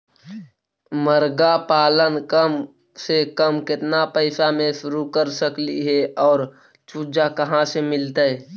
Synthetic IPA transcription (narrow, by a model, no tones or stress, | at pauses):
məɾɡapaːlənkəm | sekəmkɪt̪napəɪsamẽʃʊɾukəɾsəkliɦɛɔːɾ | t͡ʃuːd͡ʒakəɦãsemɪlt̪aɛ